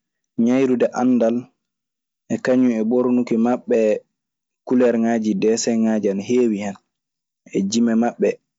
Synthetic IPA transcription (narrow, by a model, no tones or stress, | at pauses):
ɲajɾudɛʔanːdal | ʔɛkaɲːuɛboɾnukimaɓːɛ | kulɛɾŋaːd͡ʒidɛsɛŋad͡ʒanheːwihɛn | ɛd͡ʒimɛmaɓːɛ